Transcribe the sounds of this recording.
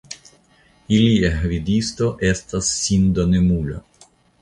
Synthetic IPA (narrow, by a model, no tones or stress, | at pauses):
iliaɦvid̪ist̪o̞ʔest̪asːind̪onemula̰